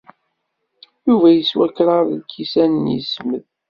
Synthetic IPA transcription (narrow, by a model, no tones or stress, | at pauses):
juvæjəswækːɾɑɾˤlkːisænənjəsməð